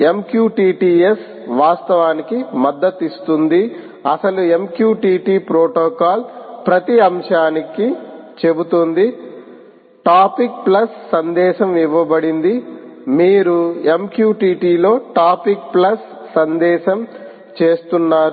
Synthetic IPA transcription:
e̞mkjuːʈiːʈiːes | ʋaːst̪ɐʋaːnikimɐd̪ːɐt̪ist̪und̪i | ɐsɐlue̞mkjuːʈiːʈiːpɾoːʈoːkaːlpɾɐt̪iɐmʂaːniki | t͡ʃe̞but̪und̪i | ʈaːpik̚plɐsːɐnd̪ɛːʃɐmiʋːɐbɐɽind̪imiːɾue̞mkjuːʈiːʈiːlo̞ːʈaːpik̚plɐsː | ɐnd̪ɛːʃɐm | t͡ʃe̞ːst̪unːaːɾu

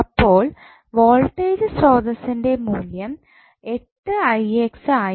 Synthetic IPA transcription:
ɐpːo̞ːɭ | ʋo̞ːɭʈːeːd͡ʑɨsroːd̪ɐsinde̞muːljɐm | e̞ʈːɨɐjeksɨaː

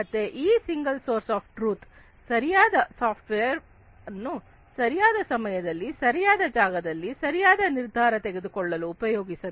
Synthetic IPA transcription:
mɐt̪ːe̞ʔiːsiŋɡɐlso̞ːɾsaːpʰʈɾuːt̪ | sɐɾijaːd̪ɐsaːpʈʋejɐɾ | ɐnːu | sɐɾijaːd̪ɐsɐmɐjɐd̪ɐlːisɐɾijaːd̪ɐd͡ʒaːɡɐd̪ɐlːisɐɾijaːd̪ɐniɾd̪ʱaːɾɐt̪eɡe̞d̪ukɔɭːɐluːpɐjoːɡisɐ

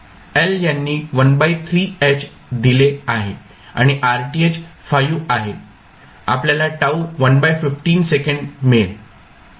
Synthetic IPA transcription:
eljanːiːʋənbajt̪ʰɾiːɛt͡ɕ | d̪ileaɦḛ | a̰ɽ̃iʔaɾʈiet͡ɕfajuʔaɦe | a̰pljalaʈauʋənbaififʈiːnsekəɳɖmel

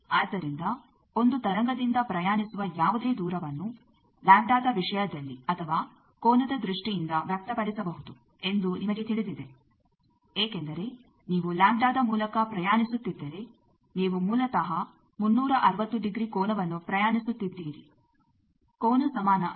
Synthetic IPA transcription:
aːd̪ːɐɾind̪ɐ | o̞nd̪ut̪ɐɾɐŋɡɐd̪ind̪ɐpɾɐjaːnisuʋɐjaːʋud̪e̞ːd̪uːɾɐʋɐnːu | laːɳɖaːd̪ɐʋiʂɐjɐd̪ɐlːiɐt̪ʰɐʋaː | koːnɐd̪ɐd̪ɾuʂʈijind̪ɐʋjɐk̚t̪ɐpɐɽisɐbɐɦud̪u | e̞nd̪unimɐɡe̞t̪iɭid̪id̪e | eːkend̪ɐɾe̞ | niːʋulaːɳɖaːd̪ɐmuːlɐkɐpɾɐjaːnisut̪ːid̪ːɐɾe | niːʋumuːlɐkɐɦɐ | munːuːɾɐʔɐɾɐʋɐt̪ːuɖiɡɾikoːnɐʋɐnːupɾɐjaːnisut̪ːid̪ːiːɾi | koːnɐsɐmaːnɐ

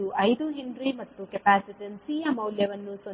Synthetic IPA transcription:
uʔɐjd̪uɦiɳɖɾimɐt̪ːukepaːsiʈinsiːɐmɐwljɐʋɐnːuso

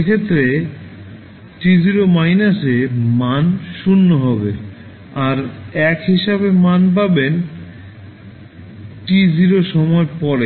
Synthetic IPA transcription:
ekʰet̪ːɾe | ʈid͡ʑiɾomajnasemanʃunːoɦɔbe | aɾɛkɦiʃaβemanp̬aben | ʈid͡ʑiɾoʃɔmɔeɾpɔɾe

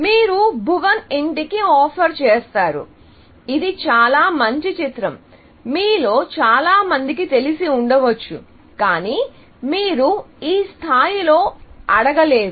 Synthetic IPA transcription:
miːɾubʱuʋɐniɳʈikiɔːpʰɐɾt͡ʃeːst̪aːɾṵ | id̪it͡ʃaːlaːmɐɲt͡ʃit͡ʃit̪ɾɐm | miːlo̞ːt͡ʃaːlaːmɐnd̪ikit̪e̞lisiuɳɖɐʋɐt͡ʃːṵ | kaːni | miːɾuiːst̪ʰaːjilo̞ːɐɽɐɡɐle̞ːd̪

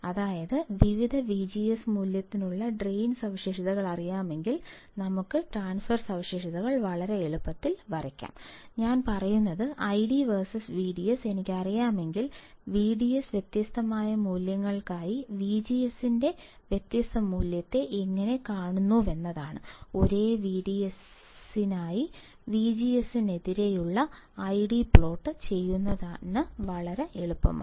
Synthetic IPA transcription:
ɐðaːjɐðɨʋiʋid̪ʱɐʋiːd͡ʑijesmuːljɐt̪ːinuɭːɐɖrejnsɐʋɐɕeʂɐðɐɣɐɭɐrijaːme̞ŋɡil | nɐmukːɨʈraːnsfɐrsɐʋɐɕeʂɐðɐɣɐɭʋɐɭɐɾe̞eɭupːɐt̪ːilʋɐrɐkʲːa̰ːmɲaːnpɐrɐjunːɐðɨʔɐjɖiʋɐrsɐsʋiːɖijese̞nikʲːɐrijaːme̞ŋɡilʋiːɖijesʋjet̪jɐst̪ʰɐmaːjɐmuːljɐŋːɐɭkaːjiʋiːd͡ʑijesːinde̞ | ʋjet̪jɐst̪ɐmːuːljɐt̪ːe̞ʔeŋːɐne̞kaːɳunːuʋe̞nːɐðaːɳɨ̰o̞ɾe̞ːʋiːɖijes | inaːji | ʋiːd͡ʑijesine̞ðiɾe̞juɭːɐ | ɐjɖipɭo̞ːʈːɨt͡ɕe̞jːunːɐðaːɳɨʋɐɭɐɾe̞ʔeɭupːɐ̰m̰

